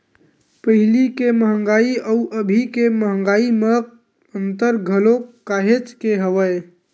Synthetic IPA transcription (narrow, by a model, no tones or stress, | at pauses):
pəɦilikeməɦəŋɡaiəuʔəbʱikeməɦəŋɡaimə | ənt̪əɾɡʱəlokaɦet͡ʃkeɦəʋəj